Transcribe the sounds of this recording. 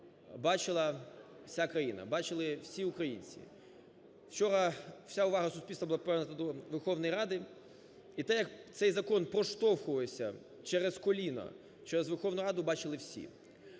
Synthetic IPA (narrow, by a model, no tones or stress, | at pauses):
bɑt͡ʃɪlˠɐ | wsʲakɾɐjinɐ̰bɑt͡ʃɪlˠɪwsʲiʊkɾɐjinʲt͡sʲḭ | w̥t͡ʃɔɾɐw̥sʲaʊʋɑɦɐsʊsʲpʲilʲst̪ʋɐbʊlˠapʋɛrnɐt̪ɐd̪ɔʋerxɔwnɔjɾɑd̪ɪ | it̪ɛjɐkt̪sɛjzɐkɔnpɾɔʃt̪ɔwxʊʋesʲɐ̰ | t͡ʃɛɾeskɔlʲinɐ̰ | t͡ʃɛɾezʋerxɔwnʊɾɑd̪ʊbɑt͡ʃɪlˠɪwsʲḭ